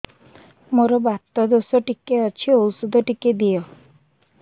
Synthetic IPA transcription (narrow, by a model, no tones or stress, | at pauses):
moɾɔbat̪ːɔd̪osɔʈikeɔt͡ʃʰiowsud̪ʱɔʈiked̪ijɔ